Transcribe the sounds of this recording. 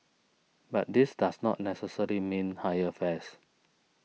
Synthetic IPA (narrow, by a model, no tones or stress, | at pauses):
bat̚disdasnɔ̰t̚nɛsəsəlimĩnhajəfɛs